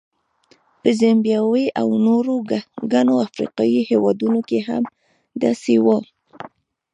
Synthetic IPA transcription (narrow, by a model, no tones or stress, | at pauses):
pəzambjɑweʔawnoɾoɡɡanoafɾḭqɑjihewɑd̪unokeɦa̰m | d̪ɑsewa